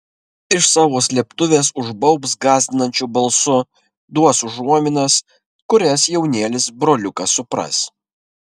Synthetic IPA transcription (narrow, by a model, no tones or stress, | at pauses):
ɪʃsɑːʋoːsʲlʲiɛpt̪ʊʋʲeːsʊʒbɐʊpsɡɑːzʲd̪ʲɪnɐnʲt͡ʃʲubɐlˠsʊ | d̪uɔsʊʒuɔmʲɪnɐs | kʊɾʲɛsjɛʊnʲeːlʲɪsbɾoːlʲʊkɐsʊpɾɐ̰s